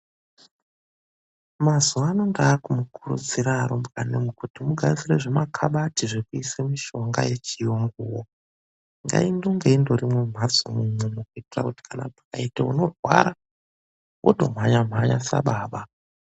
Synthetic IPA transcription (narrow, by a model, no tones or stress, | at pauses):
mazuaaːno̞ndaːkumukurṵd͡ziɾaːɾombɣanemukutimuɡʱad͡zire̞ʐemakʰaɓatiʐekuisemiʃo̞ŋɡa̰je̞t͡ʃijoŋɡuwo | ŋɡa̰indoŋɡeindorimwe̞m̤azomumwemukuitira̰kuti̥kʰana̰pḁkaiteuno̞rwa̰ɾa | wʔo̰dʱo̞̰m̤aɲam̤aɲasa̰ɓaːɓa